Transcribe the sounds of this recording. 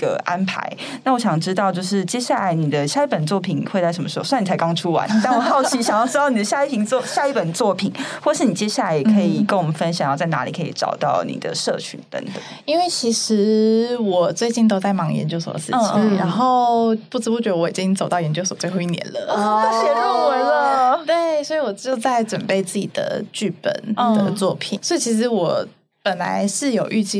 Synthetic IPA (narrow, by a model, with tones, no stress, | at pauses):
ɡə̰˧ʔa˦npʰa̰˧˦ɪ | na˥˩wɔ˦˥ɕjɑ˨˩ŋʈ͡ʂɻ̩˥t̪ɑ˥˧ʊt͡ɕjo˥˧ʊʂɻ̩˥˩t͡ɕjɛ˥ɕja˥˩la˧˥ɪni˨˩d̪ə˦ɕja˥˧i˥˩pə˨˩nt͡swɔ˥˩pʰi˨˩nxe˥˧ɪt͡sa˥˩ə˧˥mə˧ʂ̩˥˧˩swni˨˩t͡sʰa˧˥ɪkɑ˥ŋʈ͡ʂʰu˥wa̰˧˦nt̪wɔ˨˩xɑ˥˩ʊt͡ɕʰi˥ɕjɑ˨ŋjɑ˥˩ʊʈ͡ʂɻ̩˥t̪ɑ˥˩ʊni˨˩ə˩ɕja˥˧i˥˩pʰi˧˥nt͡sɔ˥˧ɕja˥˧i˥˩pə˨˩nt͡swɔ˥˩pʰi˨˩˦nxwɔ˥˩˨ʂɻ̩˥˩ni˨˩t͡ɕjɛ˥ɕja˥˩la˧ɪjkʰɤ˧˥˨i˨˩kə˥˩wɔ˨˩mə˨˦nfə˦˥nɕjɑ˨˩ŋjɑ˥˧t͡sa˥˩ɪna̰˧˥lḭ˨˩kʰɤ˧˥ḭ˨˩ʈ͡ʂɑ̰˨˩ʊt̪ɑ˥˩ʊnḭ˨˩d̪ə̰˩ʂɤ̰˥˧t͡ɕʰy̰˧˦nt̪ə̰˧˦ŋt̪ə̰˨˩ | i˥nwe˥˩ɪt͡ɕʰi˧˥ʂɻ̩˧˥wɔ˨˩t͡swe˥˧ɪt͡ɕi˥˩nt̪̬o˥ʊt͡sa˥˩ɪmɑ˧˥ŋjɛ̰˧nt͡ɕjo˥ʊsə̰˧˩ə̰˧˩ʂ̩˥˧˩t͡ɕʰi˨˩˦a˧˦nxo˥˩ʊpu˥˩ʈ͡ʂɻ̩˧˥pu˥˩t͡ɕɥɛ˧˥d̪ə˧wɔ˧˩i˨˩t͡ɕi˦˥ŋt͡so˨ʊt̪ɑ˥˩ʊjɛ˧˥nt͡ɕjo˥ʊswt͡swe˥˧ɪxo˥˧ʊi˥˩njɛ̰˧˥nlə̰˨˥˧ɕɛ˥u˥wə˧˦nlə˨t̪we˥˩swɔ˧˥i˨˩wɔ˨˩t͡ɕjo˥˧ʊt͡sa˥˩ɪʈ͡ʂwə˨˩npe˥˧ɪt͡sɹ̩˥˩t͡ɕḭ˨˩d̪̥ə̰˩t͡ɕy˥˩pə̰˨˩nd̪ə˨t͡swɔ˥˩pʰḭ˨˩˦nswi˨˩t͡ɕʰi˧˥ʂ̬ɻ̩˧˥wɔ˨˩ | pə˨˩nla̰˧˥ɪʂɻ̩˥˩jo˨˩ʊʔy˥˧t͡ɕi˥˩